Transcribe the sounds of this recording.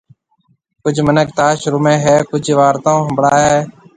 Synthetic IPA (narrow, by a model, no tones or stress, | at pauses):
kʊd͡ʒʱmənək̚t̪aːʃɾʊmẽːɦɛːkʊd͡ʒʱʋaːɾt̪ãːɦəmbɽaːɦɛː